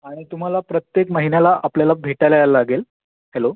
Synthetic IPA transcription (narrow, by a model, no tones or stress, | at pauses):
aɽ̃it̪um̤alapɾət̪jekməɦinelaʔapljalabʱeʈajlajalaaɡel | helo